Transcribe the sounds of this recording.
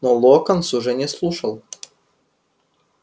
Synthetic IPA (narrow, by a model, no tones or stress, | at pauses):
nolˠɔːkɐnsʊʒɐnʲeslˠuʃɐlˠ